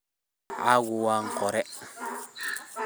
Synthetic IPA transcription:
a̰ɡuwaŋ̩kɔɾɛ

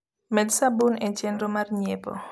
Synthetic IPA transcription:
mɛd̪sabunɛt͡ʃɛndɾomarɲepɔ̰

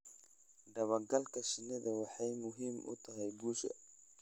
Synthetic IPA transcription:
ɖɐβɐɡɐlkʰɐʃɪnɪðɐwɑħɑjmʊɦiːmʔʊ̰t̪ʰɐɦɛjbuːʃɐ̰

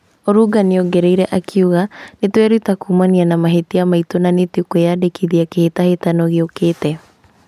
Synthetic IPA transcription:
oɾuɡaneoɡeɾɛiɾɛʔakʰiuɣanetwɛɾutakumanianamaɦetiamaitonanetikojadekiðiakehetahetanɔɣokeːtɛ

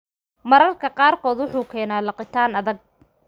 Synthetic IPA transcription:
mɐɾɐrkʰɐqɑːrkʰɔːd̪wʊħuːkʰɛːnaːlɐqɪt̪ʰaːnɐðɐɡ̚

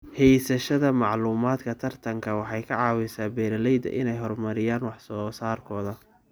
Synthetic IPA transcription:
hɛjsɐʃɐðɐmɑʕluːmaːd̪kʰɐt̪ʰɐrt̪ʰɐŋkʰɐwɑħɑjkʰɐʕɑːwɪsaːbɛːɾɐlɛjd̪ɐ̰ʔɪnɛjɦɔrmɐɾɪjaːnwɑħsɔːsaːrkʰɔːðɐ

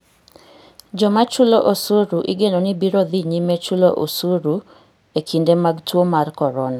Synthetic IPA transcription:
d͡ʒɔmat͡ʃuloʔosuɾuʔɪ̰ɡenonibiɾɔd̪iɲimet͡ʃuloʔo̰suɾu | ekʰindemaɡtwomarkɔɾɔna

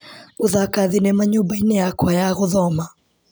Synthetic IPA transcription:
uðakaðinɛmaɲubainɛakwajaɣuðɔma

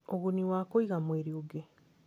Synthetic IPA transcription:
oɣuniwakoiɣamweɾioɡe

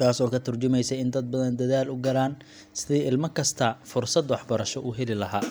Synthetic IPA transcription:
t̪ʰaːsɔːkʰɐt̪ʰɐrt͡ʃɪmɛjsɛɪnd̪ɐd̪̚bɐðɐnd̪ɐðaːlʊɡɐlaːn | sɪðɛːʔɪlmɐkʰɐst̪ʰɐfʊrsɐd̪wɑħbɐɾɐʃɔʔʊɦɛlɪlɐɦaː

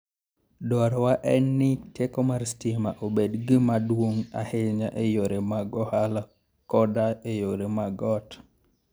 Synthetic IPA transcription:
dɔɾwaʔɛnːɪtekɔmarstimaʔobedɡimadwoŋa̰helɲaʔejoɾemaɡɔhala | kɔdaejoɾemaɡɔt

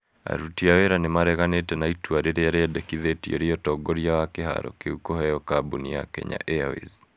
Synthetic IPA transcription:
a̰ɾutiaweɾanemaɾɛɣanetɛnaitwaɾeɾeaɾeɛdɛkiðetio̰ɾiɔtɔɡɔɾiawakeɦa̰ɾɔ̰keukoɦɛjɔkabunia̰kɛ̰ɲa̰ʔeawḛz

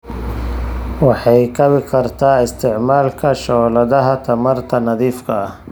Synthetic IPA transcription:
wɑħɑjkʰɐβɪkʰɐrt̪ʰaːɪst̪ʰɪʕmaːlkʰɐʃɔːlɐðɐɦɐt̪ʰɐmɐrt̪ʰɐnɐðiːfkʰɐɐh

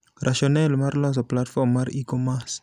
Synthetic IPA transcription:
ɾaʃjɔnɛlmaɾlɔ̃s̬ɔplat̪fɔmaɾikɔmas

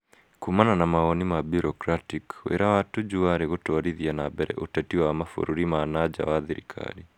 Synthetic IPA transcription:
kumananamaɔnimabuɾɔkɾatikwḛɾawatud͡ʒuaɾeɣotɔɾiðianabɛɾɛ̰ʔotɛtiwamafo̰ɾuɾimanad͡ʒa̰waðiɾikʰa̰ɾi

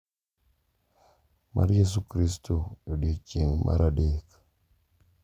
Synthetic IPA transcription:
mʔa̰ɾjes̬ukɾistʰojoɗit͡ʃiŋmʔa̰ɾʔaɗek

